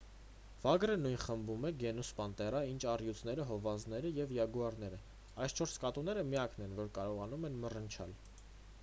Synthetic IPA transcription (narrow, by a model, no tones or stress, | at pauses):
v̥ɑɡɾənujnχəmbumɛɡɛnuspɑnt̪ɛrɑint͡ʃʰɑrjut͡sʰnɛɾəɦɔvɑnznɛɾəjɛvjɑɡuɑɾnɛɾə | ɑjst͡ʃʰɔɾskɑt̪unɛɾəmijɑknɛnvɔɾkɑɾɔʁɑnumɛnmərənt͡ʃʰɑ̰l